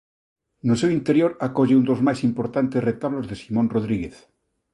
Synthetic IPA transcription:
nosewint̪eɾjoɾakoʝeund̪ozmajsimpoɾt̪ant̪eret̪aβlozðesimõnroðɾiɣeθ

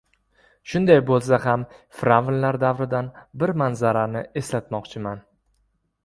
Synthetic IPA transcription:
ʃʊnd̪ajbolˠs̬ahamfɾavlːaɾd̪avɾɪd̪anbɪɾmanzaɾanɪe̞slat̪mɒqt͡ʃʰɪman

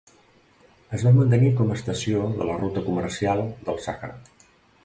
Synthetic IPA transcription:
əzβamənt̪̬ənikɔməst̪əsioðə̰lərut̪əkumərsialˠd̪əlˠsaxəɾa̰

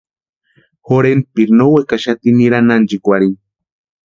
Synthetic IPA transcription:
xoɾenpiɾnowekaʃat̪iniɾanand͡ʒikʷaɾin

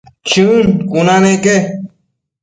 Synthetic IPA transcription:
t͡ɕʰunkunãːnẽke

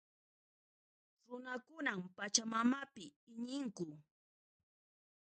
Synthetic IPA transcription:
ɾʊnakʊnampat͡ʃamamapɪɪɲɪŋkʊ

